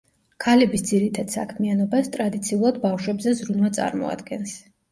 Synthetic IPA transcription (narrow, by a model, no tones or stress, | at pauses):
kʰalɛbisd̪z̥iɾit̪ʰad̪̥sa̰kʰmianɔbast̪ʼɾad̪it̪sʰiulˠad̪bafʃwɛbzɛzɾunvat̪sʼa̰ɾmɔ̰a̰d̪ɡɛns